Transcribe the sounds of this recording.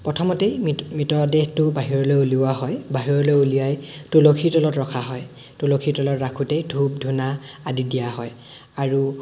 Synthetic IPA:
pɹɔtʰɔmɔtejmitɔdehtʊbaɦiɹɔlɔjuliaɦɔjbaɦiɹɔlɔjulijajtulokʰitɔlɔtɹɔkʰaɦɔj | tulokʰitɔlɔtɹakʰutejdʱub̚dʱunaadidijaɦɔj | aɹu

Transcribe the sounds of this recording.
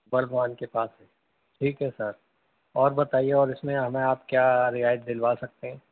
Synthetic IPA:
bɐɾɡʋaːnkepaːsɦɛ | ʈʰiːkɦɛsɐɾ | ɔːɾbɐt̪aːieɔːɾɪsmẽɦɐmẽaːpkjaːɾɪaːjət̪̚d̪ɪlʋaːsɐk̚t̪eɦɛ̃ː

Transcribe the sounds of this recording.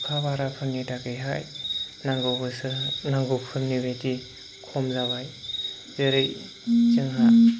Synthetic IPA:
kʰabaɾapʰɯɾnidakɯjɦajnaŋɡobɯsnaŋɡɯpʰɯɾnibeti | kʰɔmzaβaj | zeɾɯj | t͡ʃɯŋɦa

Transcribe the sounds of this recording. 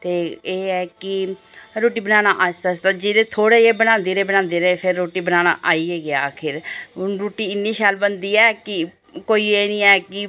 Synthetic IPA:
t̪eːeːɛːkɪ | ɾoːʈiːbənaːnaːʔaːst̪aːst̪aːd͡ʒɪɾeːt̪ʰoːɽeːeːbənãːnd̪eːɾeːbənãːnd̪eːɾəeːpʰɪɾːoːʈiːbənaːna̰ːʔaːiːeːɡɪaːkʰɪɾɾoːʈiːɪnːiːʃaːlbənd̪iːɛːkɪ | koːiːeːnĩːɛːkɪ

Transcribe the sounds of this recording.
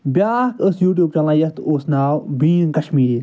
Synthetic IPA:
bʲjaːkʰəsjuːʈ̬juːb̚t͡ʃɐ̃nlãːjɐt̪ʰoːsnaːwbĩːnkɐʃmiːɾi

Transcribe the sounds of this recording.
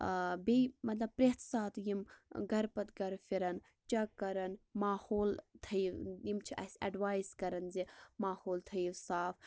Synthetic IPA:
bijmɐt̪lɐbpɾet̪ʰsaːt̪jimɡɐɾpɐt̪ɡɐɾfiɾɐn | t͡ʃɐkɐɾɐnmaːhoːlt̪ʰɐjwjimt͡ʃʰiʔɐ̰sʲɐ̰ɖʋaːjzkɐɾɐnzimaːhoːlt̪ʰɐjiʋsaːfʰ

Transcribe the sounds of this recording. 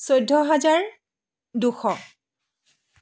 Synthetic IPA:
sojdʱːɔɦazaɹ | duxɔ

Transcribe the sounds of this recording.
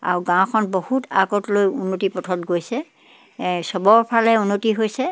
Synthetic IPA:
a̰ɹuɡãw̃kʰɔnbohuta̰ɡɔtlojunːotipɔtʰɔtɡojsɛ | sɔbɔɹpʰalɛunːotiɦojsɛ

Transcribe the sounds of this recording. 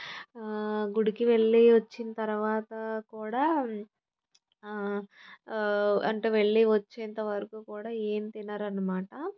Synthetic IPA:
ɡuɽikiʋe̞ɭːiʋɐt͡ʃːinɐt̪ɐɾuʋaːt̪ɐkuːɽaː | ɐ̰ɳʈe̞ːʋe̞ɭːiʋɐt͡ʃːeːnt̪ɐʋɐɾɐkuːkuːɽaːeːmit̪inːaːɾɐnːɐmaːʈɐ

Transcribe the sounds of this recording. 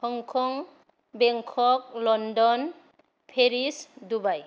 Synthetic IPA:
kʰɔŋkʰɔŋ | bɛŋkʰɔk̚lɔndɔn | pʰeɾisdubaj

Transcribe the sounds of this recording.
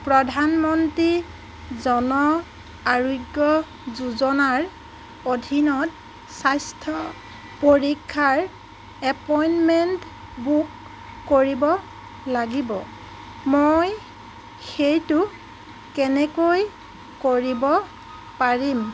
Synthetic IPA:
pɹɔdʱanmɔntɹi | zɔnɔ | aɹuɡjɔ | zuzɔnaɹ | odʱinɔt̚ | sajstʰɔ | poɹikʰːaɹ | ɛpɔjnmɛnt | bukː | oɹibɔ | laɡibɔ̰ | moj | xejtʊ | kɛnɛkoj | koɹibɔ | paɹim

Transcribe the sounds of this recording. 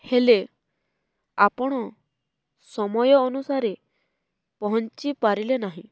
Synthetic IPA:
hele | apɔɽ̃ɔ | sɔmɔjɔːnusaɾe | pɔɦɔnt͡ʃipaɾilenaɦĩ

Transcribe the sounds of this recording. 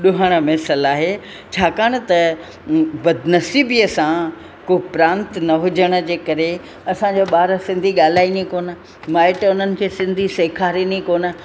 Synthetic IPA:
ɗʊɦəɽ̃əmɛːsəlaːɦe | t͡ɕʰaːkaːɽ̃ə̆t̪ɐ | bɐd̪nɐsiːbijəsã | koːpɾãːnt̪nɐɦʊd͡ʑəɽ̃ə̆d͡ʑeːkɐɾe | ɐsãd͡ʑoːɓaːɾsɪ̃nd̪ʱiɠaːl̤aːinikoːnə̆ | maːɪʈʊnənɪ̆kʰeːsɪ̃nd̪ʱiseːkʰaːɾinikoːnə̆

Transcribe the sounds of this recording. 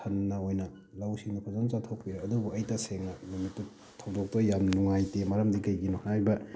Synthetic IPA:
ɐnːɐojnɐ | lawsiŋdipʰɐzant͡ʃatʰok̚piɾeɐdubuɐjtɐseŋɐnumitːu | tʰɐwdok̚tɐjamnuŋajtemɐɾɐmdikɐjɡinɔhajbɐ

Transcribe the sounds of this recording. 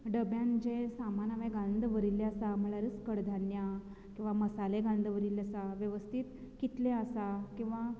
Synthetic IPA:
ɖəbjãnd͡ʑẽsamanaʋẽɡãnd̪ʱʋəɾilːeasam̤əɭaɾit͡skəɽd̪ʱanja | kĩw̃ʋaməsaleɡand̪ʋəɾileasaʋjəʋəst̪ʰit̪ | kit̪leəsakĩw̃ʋa

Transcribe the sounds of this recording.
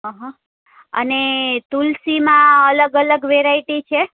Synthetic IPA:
ɦãɦã | ə̰net̪ulsimãələɡələɡʋeɾaiʈit͡ʃʰe

